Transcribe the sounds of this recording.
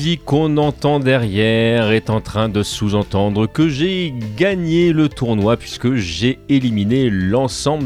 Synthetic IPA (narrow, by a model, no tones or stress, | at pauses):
zikɔ̃nɑ̃t̪ɑ̃d̪ɛʁjɛʁɛt̪ɑ̃t̪χɛ̃d̪əsuzɑ̃t̪ɑ̃d̪ʁəkəʒeɡaɲelət̪uʁnwapɥiskəʒeeliminelɑ̃sɑ̃b